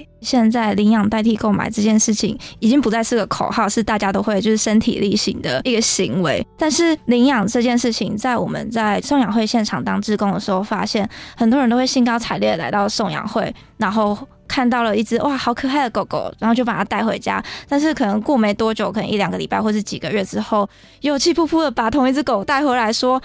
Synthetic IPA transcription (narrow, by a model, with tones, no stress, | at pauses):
ɕjɛ˥˧nt͡sa˥˩ɪli˧˥ŋjɑ˨˩ŋt̪a˥˧ɪt̪ʰi˥˧ko˥˩ʊma̰˨˩ɪʈ͡ʂɤ˥˧t͡ɕjɛ˥˧nʂɻ̩˥˩t͡ɕʰḭ˨˩ŋi˨˩t͡ɕi˥ŋpu˧˥t͡sa˥˧ɪsɹ̩˥˩ɡə˩kʰo˨˩ʊxɑ˥˧ʊʂɻ̩˥˧t̪a˥˩t͡ɕja˥t̪o˥ʊxwe˥˧ɪt͡ɕo˥˧ʊʂɻ̩˥˩ʂə˥nt̪ʰḭ˨˩li˥˩ɕḭ˧˩˦ŋd̪ə̰˦i˥˩ɡə˩ɕi˧˥ŋwḛ˧˥ɪt̪a˥˧nʂɻ̩˥˩li˧˥njɑ˨˩ŋʈ͡ʂɤ˥˧t͡ɕjɛ˥˧nʂɻ̩˥˩t͡ɕʰi˨˩ŋt͡sa˥˩ɪwɔ˨˩mə̰˨˦nt͡sa˥˩ɪʂo˥˩ŋjɑ˨˩ŋxwe˥˧ɪɕjɛ˥˩nʈ͡ʂʰɑ˨˩ŋt̪ɑ˥ŋʈ͡ʂɻ̩˥˧kʊ˥ŋd̪ə˨˩ʂɻ̩˧˥xo˥˩ʊfa̰˥ɕjɛ˥˩nxə˨˩nt̪wɔ˥ə˧nt̪o˥we˥˩ɪɕi˥nkɑ˥ʊʈ͡ʂʰa˨˩ɪljɛ˥˩la˧˥ɪt̪ɑ˥˩ʊʂo˥˩ŋjɑ̰˨˩ŋxwe˥˩ɪ | na˧˥nxo˥˩ʊ | kʰa˥˧nt̪̬ɑ˥˩ʊlə˩i˥˩t͡sɹ̩˥ʔwa˥˧xɑ˧˥ʊkʰɤ˨˩xa˥˩ɪd̪ə˩ko˨˩ʊko̰˨˩ʊɻa˨˧nxo˥˧t͡ɕo˥˩pa˨˩a˥t̪a˥˩ɪxwḛ˧˥ɪt͡ɕja̰˥t̪a˥˧nʂ̬ɻ̩˥˩kʰɤ˨˩nə˧˦ŋkwɔ˥˩me˧˥ɪt̪wɔ˥t͡ɕjo˨˦ʊkʰɤ˨˩nə˧˦ŋi˥˩ljɑ˨˩ŋɡə˦li˨˩pa˥˧xwɔ˥˧˩ʂɻ̩˥˩t͡ɕi˨˩ɡə˦ɥɛ˥˩ʈ͡ʂɻ̩˥xo˥˩ʊ | jo˨˩ʊt͡ɕʰi˥˧pʰu˥˧pʰu˥˩d̪ə˩pa˨˩t̪ʰʊ˧˥ŋi˥˩t͡sɹ̩˥ko˨˩ʊt̪a˥˩ɪxwe˧˥ɪla˧˥ɪʂwɔ˥